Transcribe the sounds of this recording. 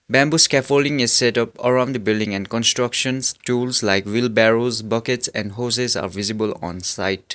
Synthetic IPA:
bæ̃mbuskɛfolɖɪ̃ŋɪzsɛʈʌpə̰ɹãʊ̃nd̪əbɪlɖɪ̃ŋɛ̃nɖkɔ̃nstɹʌkʃə̃nstulslaɪkwɪlbɛɹozbʌketsɛ̃nɖɦoːs̬eza̰ːɾʋɪzibəlɔ̰̃nsa̰ɪt

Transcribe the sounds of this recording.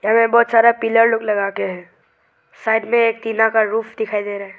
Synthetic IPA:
jamẽbɔːt̪saːɾapɪləɾloɡlɐɡaːkeɦɛ̃ː | saːɪɖmẽeːk̚t̪iːnakaɾuːpʰd̪ɪkʰaːid̪eːɾaɦɛ

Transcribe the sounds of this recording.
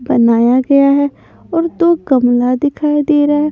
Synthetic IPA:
bɐnaːjaɡɐjaɦɛ | ɔːɾd̪oːɡɐmlad̪ɪkʰaːid̪eːɾaɦɛ

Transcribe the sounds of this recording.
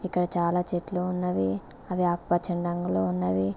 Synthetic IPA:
ikːɐɽɐt͡ʃaːlaːt͡ʃeːʈloːunːɐʋiɐʋiaːk̚pɐt͡ʃɐɳɖɐŋɡuloːunːɐʋi

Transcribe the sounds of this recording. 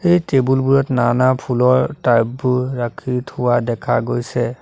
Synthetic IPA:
ejtebulbuɹɔtnanapʰulɔɹtajbuːakʰitʰʊwadɛkʰa̰ɡojsɛ

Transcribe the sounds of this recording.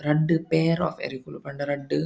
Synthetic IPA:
ɾɐɖːɯpeːɾɔ̰ːfɛ̰ɾikulpɐɳɖɐɾɐɖːɯ

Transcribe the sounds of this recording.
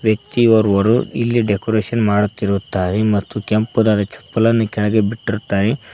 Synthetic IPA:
ʋjɐk̚t̪iɔɾʋɐɾuilːiɖekɔɾeːʃɐnmaːɽut̪ːiɾuut̪ːaːɾemɐt̪ːukempud̪aːd̪ɐt͡ʃɐ̥pːɐlɐnːukɛɭɐɡebiʈːiɾut̪ːaːɾe

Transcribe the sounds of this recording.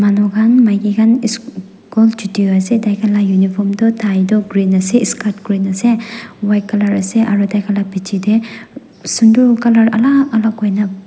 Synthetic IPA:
manɔɡanmajɡiɡʰanis | kɔld͡ʒitioasedajkʰalajunipʰɔmdɔtʰajdɔɡɾinaseiskaɾtɡɾinasewajkalaɾaseʔaɾudajkʰalapit͡ʃʰide | sundukalaɾa̰lakalakɔjna

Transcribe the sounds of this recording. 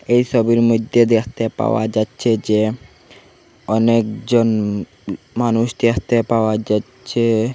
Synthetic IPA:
ejʃɔbiɾmud̪ʱːed̪ekʰt̪epa̰oa̰d͡ʑatːɕʰed͡ʑe | ɔnekd͡ʑon | manuʃd̪ekʰt̪epaoad͡ʑatːɕʰe

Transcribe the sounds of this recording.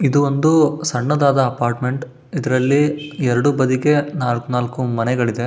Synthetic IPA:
id̪uʋond̪usɐɳːɐd̪aːd̪ɐːpaːɾʈme̞ɳʈ | id̪ɐɾɐlːiɛɾɐɽubɐd̪ikenaːlkunaːlkumɐnɛɡɐɭid̪e̞

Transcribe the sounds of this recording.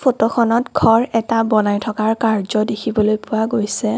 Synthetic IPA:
pʰotɔxʰɔnɔtɡʰʱɔɹɛtabɔnajtʰɔkaɹkaɹzɔdekʰibɔlojpʊwaɡojsɛ

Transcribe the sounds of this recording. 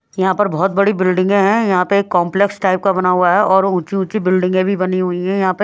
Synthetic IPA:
jɐɦãpɐɾbɔːt̪̚bɐɽibɪlɖɪ̃ŋɡẽɦɛ̃jɐɦãpeeːkːɔ̃ːmpleksʈaɪp̚kabɐnaɦuaɦɛʔɔːɾʊ̃ːt͡ʃiũːt͡ʃibɪlɖɪ̃ŋɡẽbʱibɐniɦuiɦɛ̃jɐɦãpɐɾ

